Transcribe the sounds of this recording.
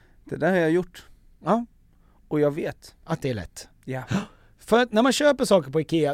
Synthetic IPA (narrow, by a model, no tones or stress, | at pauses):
d̪̥ɛd̪æːɾhaɾjaɪjʊʈː | ɔjɑːɡʋeːt̪at̪̚d̪ɛæɭɛ̰t̪ː | fœɾat̪næɾmanɕøːpəʂɑːkəɾpɔɪkʰeːa